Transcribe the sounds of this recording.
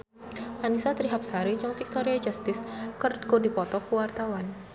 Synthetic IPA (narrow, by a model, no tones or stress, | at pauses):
ʔanisat̪ɾiɦap̚saɾid͡ʒɨŋfik̚t̪ɔɾiad͡ʒast̪ɪskərɡodipɔt̪ɔkuwart̪awan